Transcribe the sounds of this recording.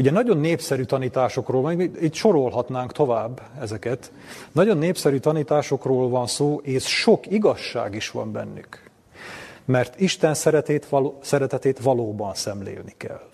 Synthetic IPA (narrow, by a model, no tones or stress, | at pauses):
uɟɛnɒɟo̞nːeːpsɛɾyːt̪ɒniːt̪aːʃo̞kroːlvɒniːt̪ʃo̞ɾo̞lɦɒt̪naːŋkt̪o̞vaːbːɛzɛkɛt̪ | nɒɟo̞nːeːpsɛɾyːt̪ɒniːt̪aːʃo̞kroːlvɒnsoːʔeːsʃo̞kiɡɒʃːa̰ːɡiʃʋɒ̰mbɛ̰nːy̰k | mɛrt̪iʃt̪ɛnsɛɾɛt̪eːt̪lsɛɾɛt̪ɛt̪eːt̪ʋɒloːbɒnsɛmlḛːlnikɛ̰l